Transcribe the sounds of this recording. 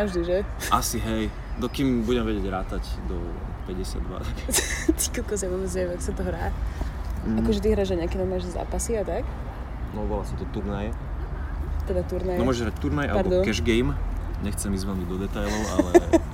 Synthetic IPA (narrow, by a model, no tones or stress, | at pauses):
avʒd̪iʒɛasiɦɛj | d̪ɔkiːmbuɟɛmʋɛɟɪɛɟɾaːt̪acd̪ɔ | pɛɟɛsɪa̰d̪ːʋa̰t̪akt̪i̥kɛkɔs̬avʊɔbɛd͡zʋɛmɛakɔ̥sat̪ɔɦɾaː | akɔʒɛt̪̬iɦɾaːʒaɲakinamaːʒza̰ːpasiat̪ak | nɔʋɔlasat̪ɔt̪uɾnajɛ | t̪ɛd̪at̪uɾnajnɔmɔʒɛɦɾac̚t̪uɾnaja̰laɾɔd̪ɔkɛʒɡɛjmɲɛxt͡sɛmiːzʋɛlɲiɟd̪ɔd̪ɛt̪ajlɔʊa̰lɛ